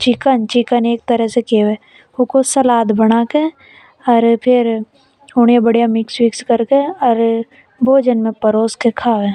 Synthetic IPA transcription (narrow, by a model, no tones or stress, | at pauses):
t͡ʃɪkənt͡ʃɪkəneːk̚t̪əɾəɦsekeːweː | ʊkosɐlaːd̪bəɽ̃aːke | ɔːɾpʰɪɾ | ʊɽebəɽijamɪkswɪkskəɾkeɔːɾ | bʱoːd͡ʒənmẽpɐɾoːskekʰaːwẽː